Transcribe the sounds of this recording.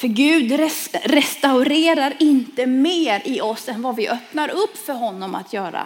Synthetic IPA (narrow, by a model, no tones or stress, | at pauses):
fœɾɡʉ̟ːd̪ɾɛɾɛst̪aʊɾeːɾaɾɪnt̪əmeːɾɪɔsɛnvavɪʔœpnaɾɵpːfœɾɦɔnːɔma̰t̪ʰjœːɾa̰